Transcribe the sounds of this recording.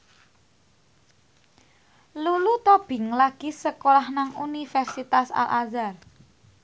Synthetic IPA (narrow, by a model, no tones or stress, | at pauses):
lulut̪ɔb̥ɪ̤ŋlaɡ̥isəkolahnaŋunifɛrsit̪asa̰lʔazar